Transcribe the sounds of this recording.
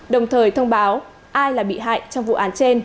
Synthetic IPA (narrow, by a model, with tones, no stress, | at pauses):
ɗə˨˩wŋ͡mt̪ʰəː˨˩jt̪ʰə˧wŋ͡mɓaː˨˦w | ʔaː˧jlaː˨˩ɓḭ˧˨ɦa̰ː˧˨jt͡ɕɔ˧wŋ͡mvṵ˧˨ʔaː˨˦nt͡ɕe˧n